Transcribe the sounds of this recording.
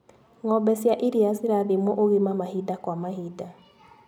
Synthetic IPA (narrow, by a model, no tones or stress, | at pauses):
ŋɔbɛsjaʔiɾiasiɾaðemwɔʔoɣemamahidakwamahida